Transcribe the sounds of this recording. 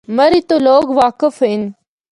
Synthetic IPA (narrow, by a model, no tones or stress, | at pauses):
mɐɾit̪oloːkʋaːkəfɦɪn